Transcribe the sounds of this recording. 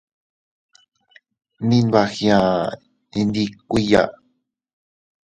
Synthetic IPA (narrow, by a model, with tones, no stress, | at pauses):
nĩ˧nβa˧xj̃ã˨ | ĩ˧nd̪i˧kʷi˦˧ja̰˦˧